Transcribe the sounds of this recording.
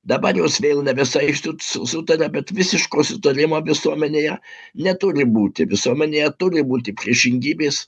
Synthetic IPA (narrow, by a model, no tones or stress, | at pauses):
d̪ɐbɐɾjoːsʋʲeːlˠnʲɛʋʲɪsɐɪsʊsʊsʊt̪ɐɾʲɛbʲɛt̪ʋʲɪsʲɪʃkoːsʊt̪ɐɾʲɪmoːʋʲɪsuɔmʲɛnʲeːjɛ | nʲɛt̪ʊɾʲɪbuːt̪ʲɪʋʲɪsuɔmʲɛnʲeːjɛt̪ʊɾʲɪbuːt̪ʲɪpʲɾʲiɛʃʲɪŋʲɡʲiːbʲeːs